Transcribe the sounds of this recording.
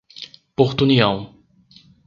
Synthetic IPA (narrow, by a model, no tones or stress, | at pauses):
poɾt̪uniɐ̃w̃